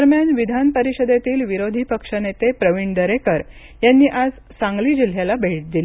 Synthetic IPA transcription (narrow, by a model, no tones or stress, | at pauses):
əɾmjanʋid̪ʱanpəɾiɕəd̪et̪iːlʋiɾod̪ʱipəkʂənet̪epɾəʋiɳd̪əɾekəɾ | janːiːʔad͡z | sãŋɡliːd͡ʑil̤jalabʱeʈ̚d̪il